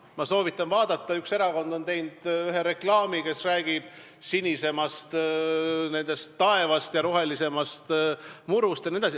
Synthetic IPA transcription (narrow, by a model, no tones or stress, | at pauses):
mɑso̞ːvit̪ːˑɑnvɑːd̪ɑt̪ːˑɑykse̞ɾɑko̞nd̪̥o̞nt̪e̞jnd̪̥yɦeɾe̞klɑːmike̞sræːɡ̥ib̥̚ | sinʲise̞mɑst̪ | ne̞nd̪̥e̞st̪ːɑe̞vɑst̪jɑɾo̞ɦe̞lise̞mɑst̪muɾust̪jɑnied̪ɑs̬i